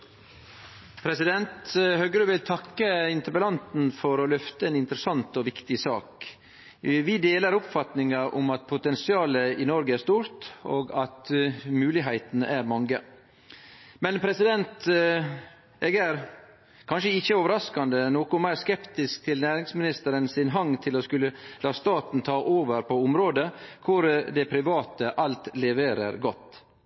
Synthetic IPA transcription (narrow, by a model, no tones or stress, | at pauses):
pʰɾɛsɪd̪ɛnt̪hœɡɾʉʋɪlt̪ʰɑkːəɪnt̪əbəlɑnt̪nfɔɾɔlœft̪əɛnɪnt̪əɾəsɑnt̪ɔʋɪkt̪ɪsɑ̰ːk | ʋɪd̪eːləɾʊpfɑt̪nɪŋɑʔʊ̰mɑt̪̚pʰʊt̪ɛnsɪɑːləɪnɔɾɡəæɾʂst̪uːɾt̪o̰ːɡɑt̪mʉːlɪɦæɪt̪n̩æɾmɑŋɡə | mɛnpʰɾɛsɪd̪ɛnt̪ | eːɡæɾ | kʰɑnʂəɪçəoːʋəɾɑskɑnd̪ənoːkʊmæɪɾskɛpt̪ɪskt̪ʰɪlnæːɾɪŋsmɪnɪst̪əɾənsɪnɦɑŋːt̪ʰɪlɔskʉlːəlɑːst̪ɑːt̪n̩t̪ʰɑːʔoːʋəɾpʰɔʊmɾoːd̪əkʰʊɾd̪ɛpʰɾɪʋɑːt̪əʔɑlt̪lɛʋeːɾə̰ɾɡɔt̪ː